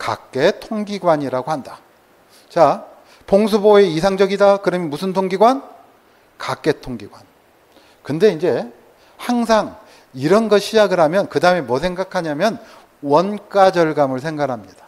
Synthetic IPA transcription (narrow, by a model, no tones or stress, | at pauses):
ka̰k͈e̞tʰoŋɡiɡwaɲiɾaɡohanda | t͡ɕa | poŋs̬ʰuboe̞is̬ʰaŋd͡ʑʌɡidakɯɾʌmjʌnmusʰɯntʰoŋɡiɡwan | kak͈e̞tʰoŋɡiɡwan | kɯnde̞ind͡ʑe̞ | haŋs̬ʰaŋ | iɾʌnɡʌɕʰid͡ʑaɡɯɾɦamjʌnkɯdaɯme̞mwʌsʰe̞ŋɡakʰaɲamjʌn | wʌnk͈ad͡ʑʌɭɡamɯɭsʰe̞ŋɡaɾɦamɲid̥ḁ